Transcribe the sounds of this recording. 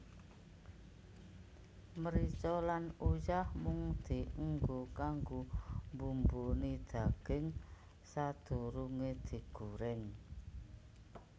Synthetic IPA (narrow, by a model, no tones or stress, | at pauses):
məɾit͡ʃɔlanujahmuŋd̪̥i̤əŋɡokaŋɡombumbonid̪̥a̤ɡ̥ɪŋ | sad̪̥o̤ɾuŋed̪̥i̤ɡ̥ṳɾɪŋ